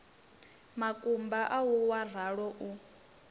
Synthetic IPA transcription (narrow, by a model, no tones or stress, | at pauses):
makʼumbaʔawuwaraɺɔʔu